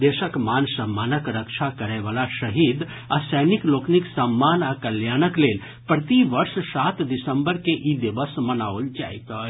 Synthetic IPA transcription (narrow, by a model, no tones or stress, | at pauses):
d̪eʃəkmansəmːanəkɾəkt͡ʃʰakəɾɛɪʋalaʃəɦid̪ | asəjniklokniksəmːanakəljanəkleːl | pɾət̪iʋəɾssat̪d̪isəmbəɾkeʔid̪ibəsmənaold͡ʒa̰it̪ə